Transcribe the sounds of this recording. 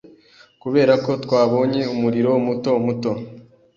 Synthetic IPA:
kuβe̞ːɾako̞tkwaːβo̞ːɲe̞umuɾiɾo̞muto̞muto̞

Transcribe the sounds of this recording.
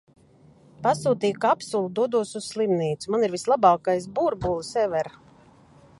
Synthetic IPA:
pasuːt̪iːjkapsulˠud̪uɔd̪uɔsusslimniːt̪sumaniɾvislˠabaːkajsbuɾbulˠsɛvɛɾ

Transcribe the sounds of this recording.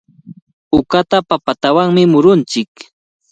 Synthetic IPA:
ʊkat̪apapat̪awaŋmɪmʊɾʊnt͡ʃɪk

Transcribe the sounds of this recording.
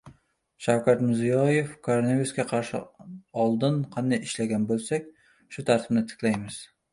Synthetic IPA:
ʃawkʲat̪mɪzijɒjefkʰoɾonaviuskʲaqʰɑɾʃɪ̰ɒlˠd̪ɪnqʰɑnd̪ajɪʃlaɡʲanbolˠsakʲ | ʃʊt̪ʰaɾt̪ʰɪbnɪt̪ʰɪ̥kʲlajmɪz̥

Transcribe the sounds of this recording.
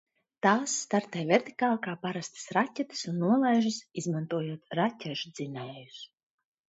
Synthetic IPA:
t̪aːsːt̪aɾt̪ajvʲɛɾt̪i̥kaːlˠkaːpaɾast̪ɨ̥sɾatʲːɛt̪ɨ̥sunːuɔlˠajʒɨsizmant̪uɔjuɔt̪ɾacʲɛʒd̪z̥inɛːjus

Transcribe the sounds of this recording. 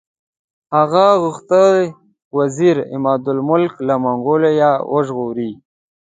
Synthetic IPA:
haɣaɣʊxt̪ə | waziɾɪ̰mɑːd̪ʊlmʊlklamaŋɡolejawʔəʒɣoɾi

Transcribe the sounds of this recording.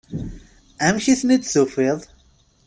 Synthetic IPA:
æmçiθnid̪θufiðˤ

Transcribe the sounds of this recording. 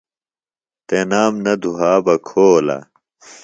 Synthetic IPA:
t̪enaːmnɐd̪ʱuɦaːbɐkʰoːlɐ̰

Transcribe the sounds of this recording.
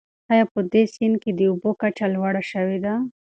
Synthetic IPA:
ajapəd̪esɪnked̪əubokat͡ʃalwaɽaʃəwed̪a

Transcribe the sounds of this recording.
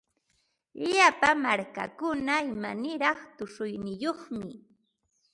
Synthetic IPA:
ʎapamaɾka̰kʊnaɪmanɪɾɑχt̪ʊʃʊjnɪjoχmɪ

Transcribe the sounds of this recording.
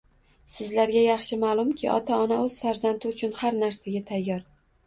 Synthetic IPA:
sɪzlaɾɡʲajɑχʃɪmaːlˠʊmkʲʰɪʔɒ̰t̪ʰaɒnaɵz̥faɾzant̪ʰɪʊt͡ʃʰʊnhaɾnaɾsaɡʲat̪ʰajːɒɾ

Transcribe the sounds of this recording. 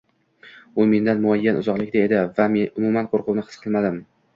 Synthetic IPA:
ʊme̞nd̪anmʊajːanʔʊ̰zɒqlˠɪkʲd̪ae̞d̪ɪvamʊmumanqʰoɾqʰʊwnɪhɨ̥sqʰɨlˠmad̪ɪm

